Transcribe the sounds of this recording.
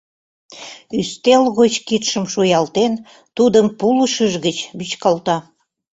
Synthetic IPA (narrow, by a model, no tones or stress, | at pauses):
yst̪elɣot͡ɕkit̪ʃəmʃujɑlt̪en | t̪ud̪əmpuluʃəʒɣət͡ɕbyt͡ɕkɑlt̪ɑ